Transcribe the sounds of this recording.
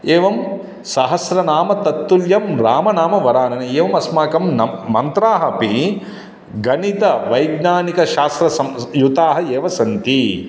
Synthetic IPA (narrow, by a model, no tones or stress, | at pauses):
eːʋɐm | sɐɦɐsɾɐnaːmɐt̪ɐt̪ːuljɐmɾaːmɐnaːmɐʋɐɾaːnɐnɐeːʋɐmɐsmaːkɐmnɐmɐnt̪ɾaːɦɐpi | ɡɐnit̪ɐʋɐjɡnaːnikɐʃaːst̪ɾɐsɐmjut̪aːɦɐeːʋɐsɐnt̪i